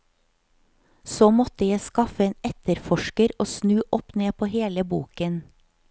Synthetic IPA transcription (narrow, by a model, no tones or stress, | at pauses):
soːmɔt̪əjæɪskɑfəeːnɛt̪əɾfɔʃkəɾoːsnʉːʔɔpneːpʰoːheːləbuːkən